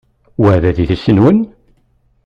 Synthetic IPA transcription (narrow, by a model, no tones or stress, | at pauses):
wæðæðiθəsːənwən